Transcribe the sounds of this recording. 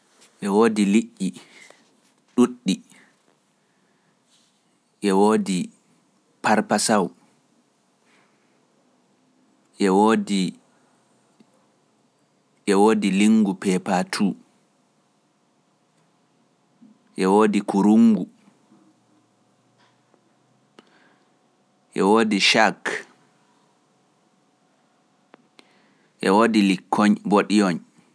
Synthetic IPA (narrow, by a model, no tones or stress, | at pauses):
ʔɛwoːdiliʔːi | ɗuɗːi | ʔɛwoːdi | paɾpasaw | ʔɛwodi | ʔɛwoːdiliŋɡupɛpatʰuː | ʔɛwoːdikuɾuŋɡu | ʔɛwoːdiʃak | ʔɛwoːdilikʰːɔɲboɗijɔɲ